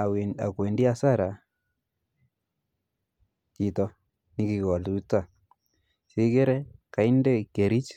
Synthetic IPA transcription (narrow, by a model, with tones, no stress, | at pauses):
a̰˨kwe˨ndi˦a˦sa˦ɾa˨ | ki˨tɔ˦ | ni˦ki˨kɔ˨lu˨˦ta˦˨ | si˦ke˦ɾɛ˦ka˨i˦nde˦ke˨ɾi˦t͡ʃ